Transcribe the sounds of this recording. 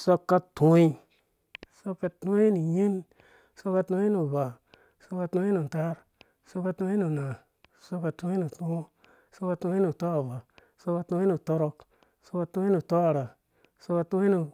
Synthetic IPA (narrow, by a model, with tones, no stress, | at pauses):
so˦kːa˦tũ˦i˦ | so˦kːa˦tu˦i˦nu˨ɲi˦n | so˦kːa˧tu˦i˦nu˨ba˨ | so˦kːa˦tu˦i˦nu˨n˨ta˦ɾ | so˦kːa˦tu˧˦i˦nu˨na˨ | so˦kːa˨tu˦i˦nu˨tu˦ | so˦kːa˦tu˦i˦nu˨to˦a˨βa˨ | so˦kːa˦tu˦i˦nu˨to˦ɾo˦k | so˦kːa˦˧tũ˦i˦nu˨to˦a˨ɾa˨ | so˦kːa˦tu˦i˦nu˨